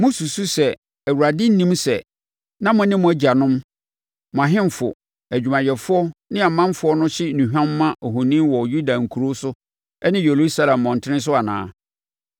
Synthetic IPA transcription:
mʊ̃˦su˨su˦sɛ˨ | æ˨wu˨ɾa˨dɪ˦n̩˦nĩ˦msɛ˨ | nã˦mʊ̃˨nɪ̃˦mʊ̃˨æ˦d͡ʑa˨nʊ̃˦m | mʊ̃˨a˨ɦɪ̃˦m˨fʊ̰˨ | æ˨d͡ʑᶣu˨mã˨jɛ˨fʊ˦ɔ˦nɪ̃˦a˨mã˦m˦fʊ˦ɔ˦nʊ̃˦ɕɪ˦nũ˨ɦᶣã˦mː˦ã˦ʔo˨ɦõ˨nĩ˦wɔ˨ju˦da˨ŋ̩˨kʰu˨ɾo˦sʊ˦ | ɛ˦nɪ̃˦je˨lu˦sa˦lã˨mːɔ̃˨n˨tʰɪ˦nɪ̃˦s̬ʊ˦a˨nã̰ː˨˦

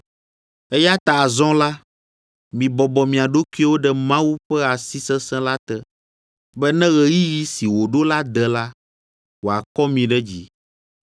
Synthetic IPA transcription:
ɛ˦ja˦t̪a˨zɔ̃˦la˦ | mĩ˨bɔ˨bɔ˨mĩ˨a˨ɖo˦ku˦wo˦ɖɛ˦mã˦wu˦ɸɛ˦a˨si˦sɛ̃˦sɛ̃˦la˦t̪ɛ˦ | bɛ˦nɛ̃˦ɣɛ˨ji˦ji˦si˨wo˨ɖo˦la˦d̪ɛ˨la˦ | wo˨a˨kɔ˦mĩ˨ɖɛ˦d͡ʑḭ˨

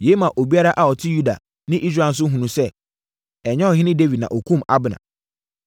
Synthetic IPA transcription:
je˦mã˨ʔo˨bi˦a˦ɾa˦ʔa˨ɔ˨tʰɪ˦ju˦da̰˨ | nɪ̃˦ʔi˦s̬ɾaː˨n̩˦s̬ʊ˦ɦũ˨nũ˨sɛ˦ | ɛ˨ɲɛ̃˦ɔ˨ɦɪ̃˦nɪ̃˦de˦vi˨d̚nã̰˨ʔo˨kʰũ˦ma̰˦bɪ˨nã̰˨

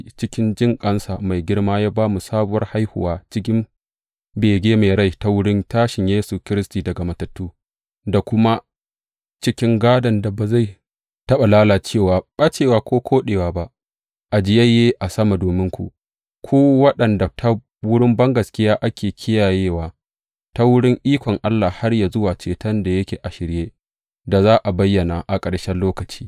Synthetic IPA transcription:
t͡ʃɪ˦kʲɪ˦nd͡ʒɪ˦˨ŋkʼɐ˦nsa˨ma˨jɡʲɪ˦ɽmaː˦jaː˦baː˦mu˨saː˦bʊ˦wɐ̰˦rha˦jhʊ̰˨waː˦t͡ʃɪ˦k̬ʲɪ˦m | beː˨ɡʲeː˦ma˨ɽa˦˨jta˦wʊ˦ɽɪ˦ntaː˦ʃɪ˨ɲjeː˦su˨kʲɪ˦ɾɪ˦stiː˨dɐ˨ɡa˨mɐ˨tɐ˨tːuː˦ | da˨kʷʊ˦ma˦ | t͡ʃɪ˦kʲɪ˦ŋɡaː˦dɐ˨nda˨ba˨za˦˨ | tɐ˦ɓa˨laː˦laː˨t͡ʃeː˦˨waː˨ɓa˦t͡ʃeː˨waː˨kʷoː˦kʷʰoː˦ɗeː˨waː˨ba˦ʔ | ʔa˨d͡ʒɪ˦jɐ˦jːeː˦ʔa˨sɐ˦ma˨doː˨mɪ˦ŋkʷṵ˨ʔ | kʷʰuː˦wɐ˦ɗɐ˨nda˨tʰa˦ | wʊ˦ɽɪ˦mbɐ˦ŋɡɐ˨skʲɪ˦jaː˦ʔa˦kʲeː˨kʲʰɪ˦jaː˨jeː˦waː˨ | ta˦wʊ˦ɽɪ˦ŋʔiː˦kʷɔ˨ŋʔa˦lːaː˨ha˦rjaː˨zʊ˦waː˨t͡ʃeː˨tɐ˦nda˨jɐ˦kʲeː˨ʔa˨ʃɪ˨ɾjeː˦ | da˨zaː˦ʔa˨bɐ˦jːɐ˨na˨ʔa˨kʼɐ˨ɽʃɛ˦lːoː˦kɐ˨t͡ʃi̥ː˦

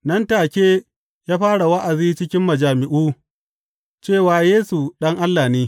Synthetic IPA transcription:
nɐ˦ntaː˨kʲeː˦ | jaː˦ɸaː˦ɽa˨wa˦ʔa˨ziː˦t͡ʃɪ˦kʲɪ˦mːɐ˨d͡ʒaː˨mɪ˨ʔuː˦ | t͡ʃeː˦˨waː˨jeː˦su˨ɗɐ˦ŋʔa˦lːaː˨neː˦

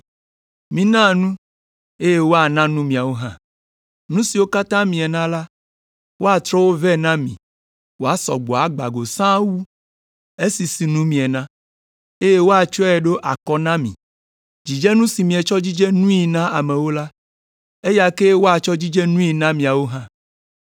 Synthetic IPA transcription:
mĩ˨nã˦˨nũ˦ | e˦je˦wo˦a˨nã˦nũ˦mĩ˨a˨wo˦ɦã̰˨ | nũ˦si˨wo˦ka˦t̪ã˦mĩ˨ɛ˨nã˦la˦ | wo˦a˨t̪ɾɔ˦wo˦vɛ˦nã˦mḭ̃˨ | wo˦a˦sɔ̰˨ɡ͡bɔ˨a˨ɡ͡ba̰˨ɡo˨sã˦wu˦ | e˦si˨si˨nũ˦mĩ˨ɛ˨nã˦ | e˦je˦wo˦a˨t͡ʃɔ˦ɛ˨ɖo˦ʔa̰˨kɔ˦nã˦mḭ̃˨ | d͡ʑi˨d͡ʒe˦nũ˦si˨mĩ˨e˨t͡ʃɔ˦d͡ʑi˦d͡ʒe˦nũ˦i˨nã˦a˨mẽ˨wo˦la˦ | e˦ja˦ke˦wo˦a˨t͡ʃɔ˦d͡ʑi˦d͡ʒe˦nũ˦i˨nã˦mĩ˨a˨wo˦ɦã˦

